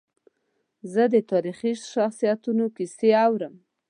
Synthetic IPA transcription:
zəd̪ət̪ɑɾixiʃaxsijat̪unokiseawɾəm

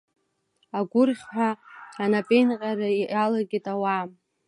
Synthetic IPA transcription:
aɡʷʊrχʲħʷᶣaːnapʼejnqʼaraalaɡʲitʼawam

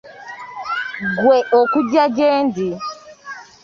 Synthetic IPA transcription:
ɡwɛʔɔkud͡ʒad͡ʒɛndi

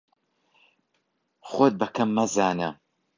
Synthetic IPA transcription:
χot̪̚bɐkʰɐmːɐzaːnɐ

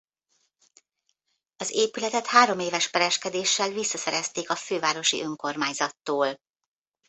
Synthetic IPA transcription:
ɒzeːpylɛt̪ɛt̪haːɾo̞meːvɛʃpɛɾɛʃkɛd̪eːʃːɛlvisːɒsɛɾɛst̪eːkɒføːvaːɾo̞ʃḭʔøŋko̞rmaːɲzɒt̪ːoːl

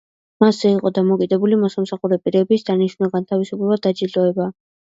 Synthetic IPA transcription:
masɛiqʼɔd̪amɔkʼid̪ɛbulimɔsamsaχuɾɛpʼiɾɛbisd̪aniʃnnaɡant̪ʰavisublɛbad̪ad͡ʒilt̪ʼɔɛba

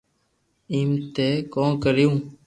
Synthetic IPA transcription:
iːmt̪eːkõːkəɾjũː

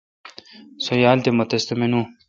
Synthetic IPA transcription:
sojaːlt̪emɐt̪est̪ɐmenũ

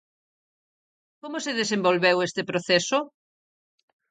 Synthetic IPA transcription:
komoseðesembolβewest̪epɾoθeso

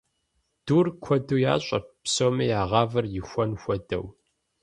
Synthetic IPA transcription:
d̥uːrkʷʰɔduja̰ːɕʼɐpsoːmɐjaːʁɑːvɨrjɪxʷɔnxʷɔdɐ̰w

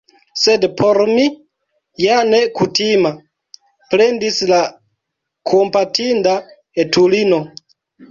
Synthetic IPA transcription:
sedpʰoɾmi | jane̞kutima | pɾe̞ndisla | kʰompatinda | etʰulino

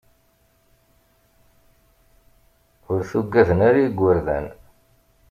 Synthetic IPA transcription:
ʊɾθuɡːæðənæɾjiɡʷːəɾðæ̰n

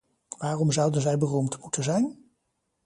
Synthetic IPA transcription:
ʋaːrɔmzʌwdənzɛjbərumtmutʰənzɛjn

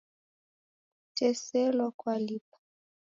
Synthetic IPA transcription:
tʰɛsɛlɔkwalipḁ

